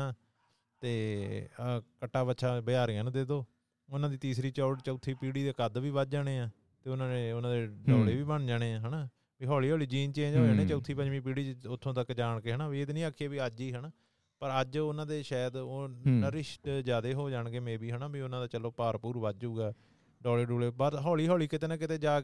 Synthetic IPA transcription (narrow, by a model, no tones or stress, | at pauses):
aː | t̪eː | kəʈːaːbəʃʰaːbɪaːɾiːãːnũːd̪eːd̪oː | ʊnãːd̪iːt̪iːsɾiːt͡ʃɔːɖt͡ʃəːt̪ʰːiːpiːɽiːd̪eːkəd̪ʋiːʋəd̪̚d͡ʒaːɽ̃eːãː | t̪eːʊnãːnẽːʊnãːd̪eːɖɔːɽeːʋiːbəɳd͡ʒaːɽ̃eːãːɦənaː | biːɦɔːliːɦɔːliːd͡ʒiːnt͡ʃẽːd͡ʒoːd͡ʒaːñẽːt͡ʃəːt̪ʰːiːpəd͡ʒʋĩːpiːɽiːt͡ʃʊt̪ʰːõːt̪əkd͡ʒaːɳkeːɦənaːbiet̪ːnĩːaːkʰːijaːbiːəd͡ʒiːɦənaː | pəɾəd͡ʒʊnãːd̪eːʃɛːd̪nɾɪʃʈd͡ʒjaːd̪eːɦoːd͡ʒaːɳɡeːmẽːbiːɦənaːbiːʊnãːd̪aːt͡ʃəloːpaːɾpuːɾʋəd̪d͡ʒuːɡaː | ɖɔːleːɖuːleːbəɾɦɔːliːɦɔːliːkɪt̪eːnãːkɪt̪eːd͡ʒaː